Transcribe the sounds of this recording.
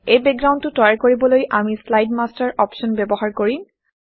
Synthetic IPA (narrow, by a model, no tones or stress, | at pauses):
ejbɛɡɹaw̃ntːʊtɔjaɹkoɹibɔlojʔamislajdmastaɹʔɔpʃɔnbɛbɔɦaɹkoɹĩn